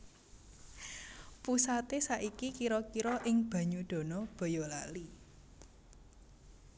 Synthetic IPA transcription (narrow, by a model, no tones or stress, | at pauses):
pusat̪esaʔikikiɾɔkiɾɔʔɪŋb̥a̤ɲuɖ̪̥o̤nɔb̥ɔ̤jɔlali